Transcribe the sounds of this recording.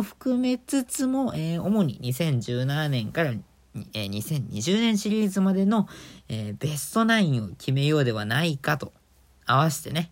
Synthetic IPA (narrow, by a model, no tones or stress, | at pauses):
ɸɯ̟̥kɯ̟me̞t͡sɨt͡sɨmo̞ʔeːo̞mo̞ɲ̟ḭɲ̟isẽ̞ɲ̟d͡ʑɨːnananẽ̞ŋkaɾa | eːɲ̟isẽ̞ɲ̟ːiʑɨːnẽɰ̃ɕiɾʲiːzɨmad̪e̞no̞eːbe̞sɨ̥t̪o̞naĩɰ̃o̞kʲʰime̞jo̞ːd̪e̞β̞anaikat̪o̞ | aβaɕi̥t̪e̞ne̞